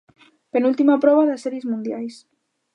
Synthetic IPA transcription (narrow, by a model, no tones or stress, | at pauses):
penult̪imapɾɔβaðasɛɾiezmũnd̪jajs